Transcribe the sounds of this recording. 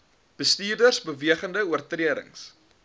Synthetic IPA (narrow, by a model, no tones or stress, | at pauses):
b̥əstiːrdərsbəviəχəndəuərtriəɾə̰ŋs